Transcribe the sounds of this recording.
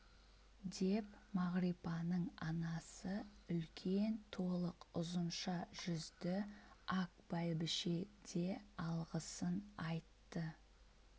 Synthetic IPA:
d̪e̞pmɑʁɾijpɑnəɴɑnɑsəʏlkʲʰe̞nt̪ʰo̞lˠəqʊzənʃɑʒ̥ʏzd̪ɪakbɑjbɪʃed̪e̞ɑlˠʁəsənɑjt̪ːə

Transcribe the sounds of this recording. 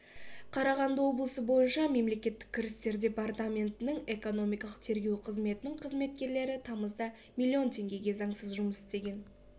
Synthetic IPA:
qʰɑɾɑʁɑnd̪əwo̞blˠəsəbo̞jənʃɑme̞mle̞kʲe̞t̪ːɪ̥k̚ʲʰːɪɾɪst̪e̞ɾd̪ʲe̞part̪amʲe̞nt̪ɪnɪŋe̞ko̞no̞mijkɑlˠə̥q̚t̪ʰe̞ɾɡʲe̞wqʰəzme̞t̪ɪnɪŋqʰəzme̞t̪kʲe̞ɾle̞ɾɪt̪ʰɑməzd̪ɑ | mʲilʲːio̞nt̪ʰe̞ŋɡʲe̞ɡʲe̞zɑɴsəzʒʊməsɪst̪e̞ɡʲe̞n

